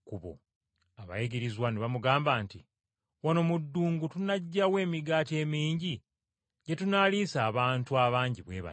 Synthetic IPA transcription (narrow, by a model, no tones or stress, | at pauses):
kuβo̞̰ | aβa̰jeɡeɾizwaneβamuɡaːmbaːnti | wanomudːuːŋɡutunaɟːawe̞ːmiɡaːte̞ːmiːɲɟi | ɟe̞tunaːliːsaːβaːntuaβaːɲɟiβwe̞̰ːβa̰